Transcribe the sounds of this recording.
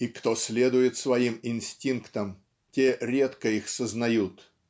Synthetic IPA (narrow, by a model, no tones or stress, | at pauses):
ikt̪osʲlʲed̪ʊjɪt̪svɐimɪnʲsʲtʲinkt̪əm | tʲeɾʲet̪kəixsəznɐjut̪